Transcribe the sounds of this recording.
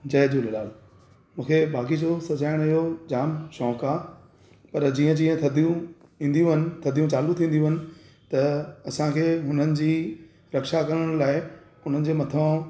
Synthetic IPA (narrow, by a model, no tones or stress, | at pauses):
d͡ʑɐːd͡ʑolɪlaːl | mũːkʰebaːk̬id͡ʑosɐd͡ʑaːɪɽ̃ɪɦod͡ʑaːmʃɔ̃ːkaː | pɐɾd͡ʑiːə̃d͡ʑĩːə̃t̪ʰɐd̪ijũ | ĩːn̆d̪jũɦɪnɪ̆t̪ʰɐd̪ʱijũt͡ɕaːlũt̪ʰĩːnd̪jũɦɪnɪ̆ | t̪ɐɐsãkʰeːɦʊn̤ənɪ̆d͡ʑiː | ɾɐkʃakɐɾəɽ̃laːɪ | ʊn̤ənɪ̆d͡ʑeːmɐt̪ʰə̃